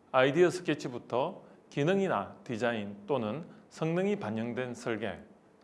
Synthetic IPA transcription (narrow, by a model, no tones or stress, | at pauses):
aidiʌsʰɯ̥k͈et͡ɕʰibutʰʌkinɯŋinatid͡ʑaint͈onɯnsʰʌŋnɯŋipaɲːʌŋdwe̞nsʰʌɭɡe̞̰